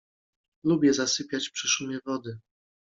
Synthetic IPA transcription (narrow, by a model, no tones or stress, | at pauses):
lubʲjɛzasɘpʲjat͡ɕpʂɘʂumʲjɛvɔd̪ɘ